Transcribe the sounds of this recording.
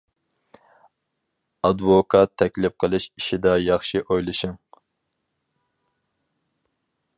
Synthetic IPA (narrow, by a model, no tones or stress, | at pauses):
ɑd̪vokʰɑt̪ʰːɛkʲlɪp̚qʰəlˠɨʃiʃid̪ɑjɑχʃiʔojlˠɨʃɨŋ